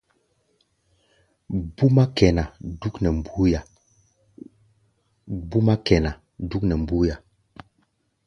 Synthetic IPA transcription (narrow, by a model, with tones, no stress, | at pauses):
bu˦ma˦kɛ˨na˨du˦knɛ˨mbu˦ja˨ | bu˦ma˦kɛ˨na˨ | du˦knɛ˨m˨bu˦ja˨